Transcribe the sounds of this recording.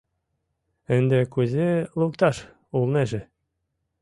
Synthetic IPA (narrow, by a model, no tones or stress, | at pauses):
ɘ̆nd̪ĕkuzʲelˠukt̪ɑʃ | ulˠneʒɘ̆